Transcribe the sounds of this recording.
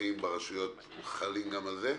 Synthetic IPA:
imbaʁaʃujo̞t̪ | χalimɡamalze

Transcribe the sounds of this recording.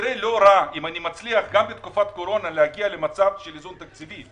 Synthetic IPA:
ɾelo̞ɾaimanimat͡sliaχɡambet̪kufat̪ko̞ɾo̞naleaɡiale̞mat͡savʃelizunt̪ak̚t͡sivi

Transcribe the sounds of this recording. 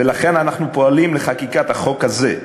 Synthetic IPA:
velaχe̞nanaχnupo̞alimleχakikat̪haχo̞khaze

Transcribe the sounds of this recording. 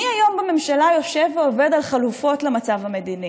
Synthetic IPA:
iajo̞mbame̞mʃalajo̞ʃe̞veove̞dalχalufo̞tlemat͡savhame̞dini

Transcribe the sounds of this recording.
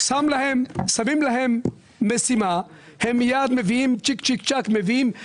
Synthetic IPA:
saːmlɐɦemsɐmiːmlɐɦemː | esima | hemjaːd̪meʋiːmt͡ʃik̚t͡ʃikt͡ʃɐkmeʋiːm

